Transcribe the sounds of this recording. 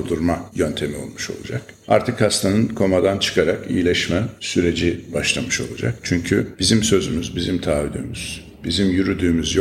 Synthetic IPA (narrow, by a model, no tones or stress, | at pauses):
d̪uɾmajønt̪ʰe̞mio̞̰lˠmuʃo̞̰lˠṵd͡ʒa̰ka̰ɾt̪ʰɯkhast̪ʰanɯnkʰo̞mad̪ant͡ʃʰɯ̥kʰaɾakḭjilʲɛʃmænsyɾe̞d͡ʒibaʃlˠamɯʃo̞lˠṵd͡ʒa̰kt͡ʃʰyɲcʰyb̥izimsø̞zymyzbizimt̪ʰaːvyd̪y̰myz̥ | bizimjyɾyd̪yːmyzj